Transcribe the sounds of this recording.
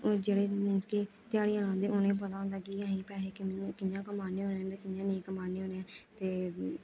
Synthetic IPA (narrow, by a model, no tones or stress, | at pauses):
d͡ʒeːɽeːɪnske | t̪ɪjaːɽiːãːãːd̪eːʊnẽːp̬ət̪aːʊ̃nd̪aːkiãːĩːpɛːleːkɪkɪjãːkəmaːneːɦõːnẽɛ̃ːt̪eːkɪjãːnẽːkəmaːneːɦoːneãːt̪eː